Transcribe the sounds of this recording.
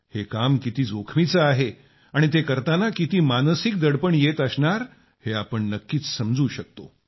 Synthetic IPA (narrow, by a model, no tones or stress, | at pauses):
hekamkit̪iːd͡zokʰmit͡saaɦe | aɽ̃it̪ekəɾt̪anakit̪iːmansik̚d̪əɽpəɳjet̪əsɳaɾ | heapəɳnəkːiːt͡ssəmd͡zuːɕək̚t̪o